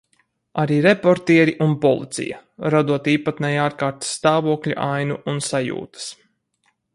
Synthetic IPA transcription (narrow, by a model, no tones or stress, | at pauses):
aɾiːɾepoɾt̪iɛɾiʔunpɔlˠḭt̪sḭjɐ̰ɾad̪uɔt̪iːpat̪nɛjaːɾkaːɾt̪sːt̪aːvuɔklʲṵʔajnuʔunsajṵːt̪ə̥s